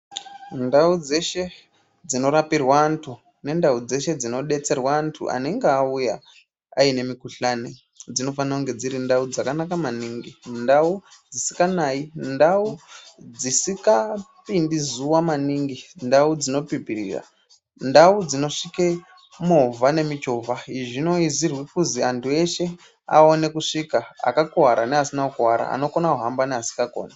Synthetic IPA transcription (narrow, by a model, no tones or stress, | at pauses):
ndaud͡ze̞ʃe̞ | d͡zino̞ɾapirwaːntʰu | ne̞ndaud͡ze̞ʃe̞d͡zino̞ɗe̞t͡se̞rwaːntʰṵʔa̰ne̞ŋɡeauja | aine̞mikuɬane | d͡zino̞fanakuŋɡe̞d͡ziɾindaud͡zakanakamaniŋɡindaud͡zisi̥kanaindaud͡zisikapindizuwamaniŋɡindaud͡zino̞pipirḭːra̰ | ndaud͡zino̞ʂike | movane̞mit͡ʃovaɦiʐino̞izirwikuziantʰue̞ʃe̞ | a̰one̞kuʂikaa̰kakowaɾaneasinaukuwaɾa̰a̰no̞konakuɦambaneasi̥kako̰ːna